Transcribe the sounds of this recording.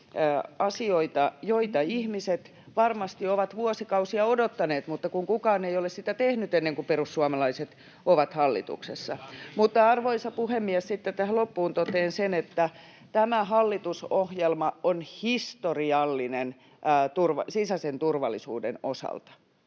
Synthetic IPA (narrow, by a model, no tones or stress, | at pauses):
ɑsioit̪ɑjoit̪ɑihmiset̪ | ʋɑrmɑst̪ioʋɑt̪ʋuosikɑusiɑodot̪ːɑneːt̪mut̪ːɑkuŋkukɑːneijolessit̪æt̪ehnyt̪enːeŋkuperusːuɑmɑlɑiset̪ | oʋɑt̪hɑlːḭt̪ṵksesːɑmut̪ːɑɑrʋoisɑpuhemːiɛssit̪ːet̪t̪æhælopːuːnt̪ot̪eːnsenet̪ːæ | t̪æmæɦɑlːit̪usohjelmɑonhist̪oriɑlːinen | t̪urʋɑsisæsent̪urʋɑlːḭsṵːdḛnosɑ̰lt̪ɑ̥